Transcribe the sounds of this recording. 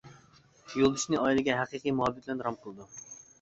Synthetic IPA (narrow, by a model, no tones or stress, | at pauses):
jolˠd̪uʃnɨɑjilˠɨɡʲɛɦæqiqijmuhɑbɪt̪lɛnɾɑmqʰəlˠɨd̪u